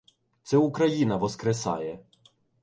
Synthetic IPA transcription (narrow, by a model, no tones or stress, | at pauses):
t̪sɛukɾɐjinɐʋɔskɾesɑ̰jɛ